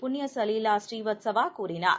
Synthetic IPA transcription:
pʊnːjɐsɐlilaːsʈriːʋɐt̪sɐʋaːkuːɾɪna̰ːɾ

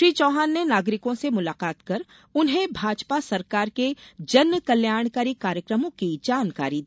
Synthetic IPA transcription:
ʃɾiːt͡ʃɔːɦaːnːenaːɡɾɪkõsemʊlaːqaːt̪kɐɾ | ʊnɦẽbʱaːd͡ʒpasɐɾkaːɾked͡ʒɐnməkɐljaːɾɽ̃kaːɾikaːɾjəkɾəmõkid͡ʒaːnkaːɾi

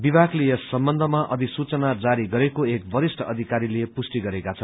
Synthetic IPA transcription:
bibʱaklejʌsʌmbʌnd̪ʱʌmaʔʌd̪ʱisut͡sʌnad͡zaɾiɡʌɾekoek̚bʌɾisʈʰʌʌd̪ʱikaɾilepusʈiɡʌɾekat͡sʰʌnn

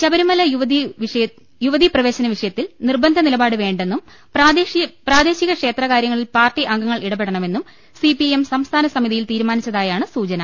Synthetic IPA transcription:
t͡ɕɐbɐɾumɐlɐjuʋɐiʂɐ | juʋɐðiprɐʋe̞ːɕɐnɐʋiʂɐjɐt̪ːilnirbɐnd̪ʱɐnilɐbaːɽɨʋe̞ːɳɖe̞nːum | pːpraːd̪e̞ːɕiɣɐkʂe̞ːt̪rɐkaːɾjɐŋːɐɭilpaːrʈiʔɐŋɡɐŋːɐɭʔiɽɐbe̞ɽɐɳɐme̞nːum | sipiemsɐmst̪ʰaːnɐsɐmiðijilt̪iːɾumaːnit͡ɕːɐðaːjaːɳɨsuːt͡ɕɐnɐ

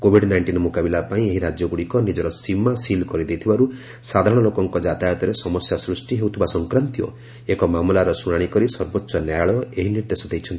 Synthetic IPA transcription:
kobʱiɖnajɳʈinmukabilapaĩeɦiɾad͡ʒjɔɡuɽikɔnid͡ʒɔɾɔsimasilkɔɾid̪ejt̪ʰibaɾu | sad̪ʱaɾɔɽ̃ɔlokɔŋkɔd͡ʒat̪ajɔt̪ɔɾesɔmɔsjasɾusʈiɦewt̪ʰibasɔŋkɾant̪iɔ̰ | ekɔmamlaɾɔsuɽ̃aɽ̃ikɔɾisɔɾbotːsɔnjajaɭɔeɦiniɾd̪esɔd̪ejt͡ʃʰɔnt̪i

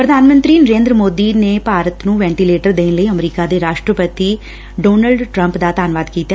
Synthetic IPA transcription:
pɾəd̪ʱaːnmə̃nt̪ɾiːnəɾẽːnd̪ɾəmoːd̪iːneːpaːɾət̪nũːʋɛ̃ːɳʈiːleːʈəɾd̪eːnləiːəmɾiːkaːd̪eːɾaːʃʈɾəpət̪iː | ɖoːnəlɖʈɾə̃mpd̪aːt̪aːnʋaːd̪kiːt̪aː

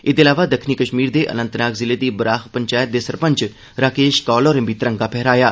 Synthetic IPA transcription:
ɪd̪eːlaːʋaːd̪əkʰniːkəʃmiːɾd̪eːʔə̰nə̃nt̪naːkzɪleːd̪iːbəɾaːxpəɲt͡ʃaːjət̪̚d̪eːsəɾpə̃ɲt͡ʃ | ɾaːkeːʃkɔːlɔːɾəmbiːt̪əɾəŋɡaːpʰɛɦɾaːjaː

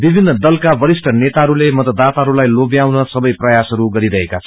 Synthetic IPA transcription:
bibʱinːʌd̪ʌlkabʌɾisʈʰʌnet̪aɦʌɾulemʌt̪ʌd̪ːat̪aɦʌɾulajlobjawnʌsʌbʌjprʌjasɦʌɾuɡʌɾiɾʌɦekaʌ

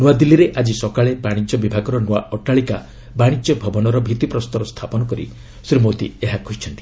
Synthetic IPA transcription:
nuwad̪ilːiɾeʔad͡ʒisɔkaɭebaɽ̃id͡ʒɔbibʱaɡɔɾɔnua̰ʔɔʈaɭika | baɽ̃id͡ʒɔbʱɔbɔnɔɾɔbʱit̪ipɾɔst̪ɔɾɔst̪ʰapɔnɔkɔɾḭ | sɾimot̪ḭeɦakɔɦit͡ʃʰɔnt̪i̥

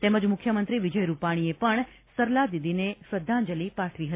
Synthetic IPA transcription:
t̪eməd͡ʒmʊkʰjəmənt̪ɾiʋid͡ʒəjɾupaɽ̃iepəɳ | səɾlad̪id̪inesəd̪ʱːãnd͡ʒəlipaʈʰʋiɦəi

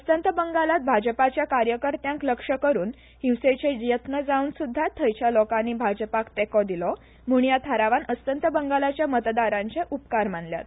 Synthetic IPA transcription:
əst̪ənt̪əbəŋɡalat̪̚bʱad͡ʑəpat͡ɕjakaɾjəkəɾt̪jãŋkləkʂəkəɾuːn | hiwset͡sed͡ʑjət̪nəd͡zauːnsud̪ʱːat̪ʰːəjt͡ɕjalokanːiːbʱad͡ʑəpakt̪ekɔd̪ilɔ | m̤uɳjat̪ʰaɾaʋanəst̪ənt̪əbəŋɡalat͡ɕjamət̪d̪aɾãɲt͡ɕeʔupkaɾmanlja̰t̪̚

